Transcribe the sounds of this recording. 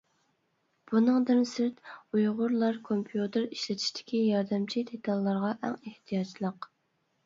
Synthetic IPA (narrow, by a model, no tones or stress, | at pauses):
b̥unɨŋd̪ɨnsɪɾt̪ujʁʊɾlˠɑɾkʰompʰjut̪ʰɨɾiʃlɪt̪ʰɪ̥ʃd̪ɪ̥kʲʰijɑɾd̪ɨmt͡ʃʰid̪et̪ʰɑlˠːɑɾʁɑʔɛ̰ŋeht̪ʰijɑt͡ʃʰlˠəq